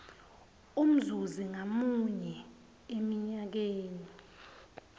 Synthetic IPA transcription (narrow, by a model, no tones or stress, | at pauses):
um̩zuziŋamuɲɛ | emiɲak̬eːni